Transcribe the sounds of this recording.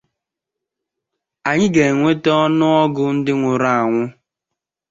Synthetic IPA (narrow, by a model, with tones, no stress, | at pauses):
a˨ɲɪ˦ɡe˨ŋʷe˦tɔ˦nʊ˦ɔ˦ɡʊ˦n̩˦dɪ˦ŋʷʊ˨ɾa˦˨a˨ŋʷʊ˦